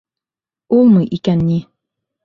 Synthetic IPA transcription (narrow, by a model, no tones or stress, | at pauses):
ulˠmɤʔikænːi